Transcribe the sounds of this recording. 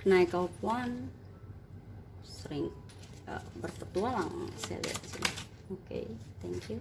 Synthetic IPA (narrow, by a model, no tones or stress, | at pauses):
kənaikaupuan | səɾɪŋ | ə̰bərpət̪ualaŋ̰sɛa̰da̰t̪isini | okḛjt̪ɛŋkju